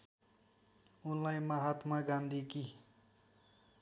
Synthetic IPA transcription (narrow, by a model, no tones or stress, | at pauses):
unlajmaɦat̪maɡand̪ʱiki